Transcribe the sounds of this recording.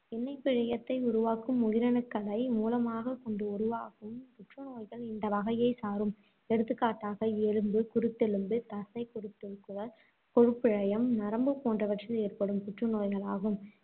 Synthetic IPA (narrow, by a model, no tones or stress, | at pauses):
ɪnːɐɪpːɪɻɐjɐt̪ːɐɪʊɾʊʋaːkːɯmːʊɣɪɾɐɳɯkːɐɭɐɪmuːlɐmaːɣɐkɔɳɖɯʊɾʊʋaːkɯmpʊʈrɯnoːjɣɐɭɪnd̪ɐʋɐɣɐjɐɪsaːɾɯm | ɛɽɯt̪ːɯkːaːʈːaːɣɐeɻɯmbɯkʊɾɯt̪ːɛɻɯmbɯt̪ɐsɐɪkʊɾɯt̪ːɪɾɯkːɯʋɐl | kɔɻɯpːɪɻɐjɐmnɐɾɐmbɯpoːndrɐʋɐʈrieːrpɐɽɯmpʊʈrɯnoːjɣɐɭaːɣɯm